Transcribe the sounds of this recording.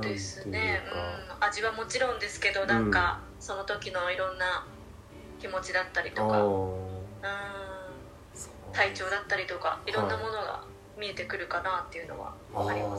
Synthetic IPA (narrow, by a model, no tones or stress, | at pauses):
d̪e̞sɨne̞ɯ̟̃aʑiβamo̞t͡ɕiɾõ̞nd̪e̞sɨ̥ke̞d̪o̞nãŋka | so̞not̪o̞kʲino̞iɾõ̞nːa | kʲimo̞t͡ɕid̪at̪ːaɾʲit̪oka | ɯ̟̃ː | t̪ait͡ɕo̞ːd̪at̪ːaɾʲit̪o̞ka̰iɾõ̞nːamo̞no̞ɡa̰ | mʲie̞t̪e̞kɯ̟ɾɯ̟kanaːt̪ːe̞jɯ̟no̞̰βa̰ | akaɾimas